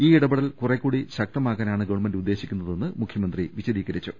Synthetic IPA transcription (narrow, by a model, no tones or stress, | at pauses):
iːiɽɐbɐɽɐlkurekʲːuːɽiɕɐk̚t̪ɐmaːɣaːnaːɳɨɡɐwɳmɐndud̪ːe̞ːɕikʲːunːɐðe̞nːɨmukʰjɐmɐnd̪riʋiɕɐðiːɣɐɾit͡ɕːu